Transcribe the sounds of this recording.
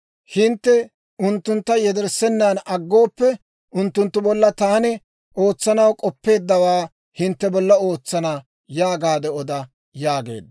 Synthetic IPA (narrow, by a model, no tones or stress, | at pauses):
hɪnt̪ːɛ | ʊnt̪ːʊnt̪ːɐjɛd̪ɛɾsɛnːanɐɡːo̞ːpːɛ | ʊnt̪ːʊnt̪ːʊbɔlːɐt̪aːnɪ | ʔoːt͡sːɐnɐwkʼɔpːe̞ːd̪ːɐwaː | hɪnt̪ːɛbɔlːɐo̞ːt͡sːɐnɐ | jaːɡaːd̪ɛɔd̪ɐ | jaːɡe̞̰ːd̪ɐ